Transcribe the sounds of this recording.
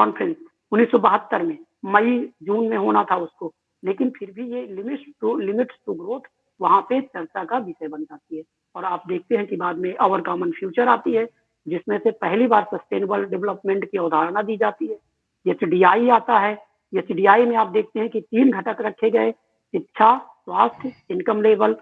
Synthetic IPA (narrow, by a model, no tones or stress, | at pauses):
kɔːnpʰɾɛ̃ns | ʊnːiːsːɔbəɦət̪ːəɾmẽ | mɐid͡ʒuːnmẽɦoːnat̪ʰaʊsko | leːkɪnpʰɪɾbʱijelɪmɪʈsulɪmɪʈssʊɡɾoːt̪ʰ | ʋɐɦãpet͡ʃɐɾt͡ʃakaʋɪʃəbɐnd͡ʒaːt̪iɦɛː | ɔːɾaːp̚d̪eːk̚ʰt̪eɦɛ̃kibaːd̪mẽʔɔːʋəɾkaːmənpʰjuːt͡ʃəɾaːt̪iɦɛ | d͡ʒɪsmẽsepɛɦlibaːɾsɐsʈeːnəbəlɖɪʋləpmɛ̃ɳʈkiʊd̪ʱaːɾnad̪iːd͡ʒaːt̪iɦɛː | jɛt͡ʃɖiːaːiaːt̪aɦɛ | jɛt͡ʃɖiːaːimẽaːp̚d̪eːk̚ʰt̪eɦɛ̃kit̪iːnɡʱɐʈəkɾɐkʰːeɡɐe | sɪt̪ːʃʰaswaːst̪ʰjɪnkəmleːbəl